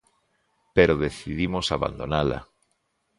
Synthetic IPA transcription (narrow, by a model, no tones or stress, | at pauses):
peɾoðeθiðimosaβa̰nd̪o̰nala̰